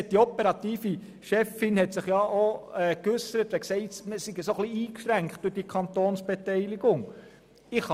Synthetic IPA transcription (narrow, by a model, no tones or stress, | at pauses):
t̚d̥̪iɔpɛɾɑt̪iːfi | ʃɛfɪnhɛt̪sɪχjɑʔoɛkʉsəɾət̪ʋɛksɛɪtməsiɡəsoχliiːkʃɾæŋkχtd̥ʊrd̥ikʰɑnt̪oːnsb̥ɛt̪ɛɪliɡʊŋ | ɪχ